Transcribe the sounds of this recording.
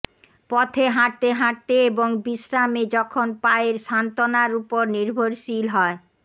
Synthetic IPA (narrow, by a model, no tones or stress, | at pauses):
pɔt̪ʰeɦaɾt̪eɦaʈt̪eeboŋbiʃɾamed͡ʑɔkʰonpaeɾʃant̪onaɾupoɾniɾbʱoɾʃilɦɔe